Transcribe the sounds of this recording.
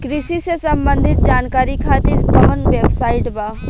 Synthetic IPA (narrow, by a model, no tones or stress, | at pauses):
kɾɪsisesɐmbə̃nd̪ʱɪt̪̚d͡ʒaːnkaːɾikʰaːt̪iɾkɐmənʋeːbsaːɪʈba